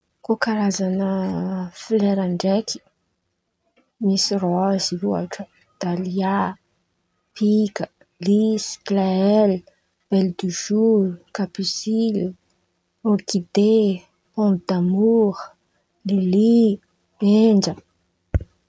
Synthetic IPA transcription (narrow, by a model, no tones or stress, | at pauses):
kokaɾazanəfleɾaɳɖ͡ʐekʰi̥ | misirɔziua̰ʈ͡ʂə | d̪̥alia | pikə | lisklaɛl | b̥eld̪uʒukapisil | okid̪e | pɔ̃mbd̪amuʁə | lili | eɳd͡ʒə